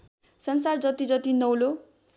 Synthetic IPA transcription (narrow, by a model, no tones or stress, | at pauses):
sʌnsard͡zʌt̪id͡zʌt̪inʌwlo